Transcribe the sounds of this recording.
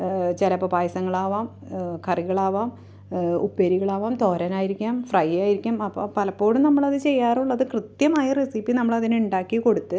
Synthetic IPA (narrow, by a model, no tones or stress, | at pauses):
t͡ɕelɐpːɐbaːjsɐŋːɐɭaːʋaːm | kɐriɣɐɭaːʋaːm | upːeɾiɣɐɭaːʋaːmt̪o̞ːɾɐnaːjiɾikʲːaːmfrɐjaːjiɾikʲːaːmɐpːo̰ːpɐlɐpːo̞ːɽumnɐmːɐɭɐðɨt͡ɕe̞jːaːruɭːɐðɨkrɨt̪jɐmaːjɐrisipːinɐmːɐɭɐðineuɳɖaːkːiko̞ɽut̪ːɨ